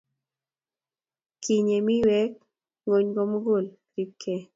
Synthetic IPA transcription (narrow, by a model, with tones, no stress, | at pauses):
kʰi˨ɲe˨mi˦wɛ˦k̚ | ŋo˨ɲɡo˦m˦ɡo˦˨l | ɾi˦kʰːe˦